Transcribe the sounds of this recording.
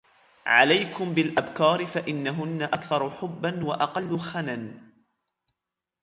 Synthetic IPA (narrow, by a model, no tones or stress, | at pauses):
ʕa̰lajkʊmbɪlʔabkɑːɾɪfaʔɪnːaɦʊnːaʔakθɑɾˤʊħʊbːanwaʔɑqɑlːʊxanan